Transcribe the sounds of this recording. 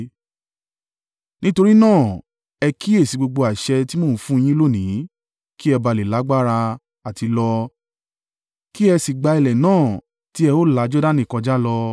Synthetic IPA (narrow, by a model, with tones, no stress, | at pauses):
nĩ˦to˧ɾi˦nãː˦˨ | ɛ˧kʰi˦e˦˨si˨˧ɡ͡bo˧ɡ͡bo˧a˨ʃɛ˧ti˦mo˦˨˦fũ˦˧j̃ĩ˦lo˦˨nĩ˨˦ | ki˦ɛ˧ba˧le˨la˨˦ɡ͡ba˦ɾa˧ | a˨ti˧lɔ˧ | ki˦ɛ˧si˨ɡ͡ba˧i˨lɛ˨nãː˦˨ | ti˦ɛ˧o˦la˨˦d͡ʒɔ˦da˦˨nĩ˨kɔ̃˧d͡ʒa˦lɔ˧